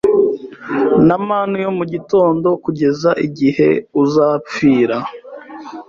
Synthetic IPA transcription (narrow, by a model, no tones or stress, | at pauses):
namaːnujo̞muɟito̞ːndo̞kuɟe̞zaʔiɟihe̞̰uzaːp͡fiːɾa